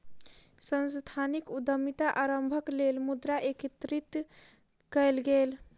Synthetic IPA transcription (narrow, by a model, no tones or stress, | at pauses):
sənst̪ʰanikud̪əmit̪aʔaɾəmbʱəklelmud̪ɾaʔekit̪ɾit̪ | kɛjlɡel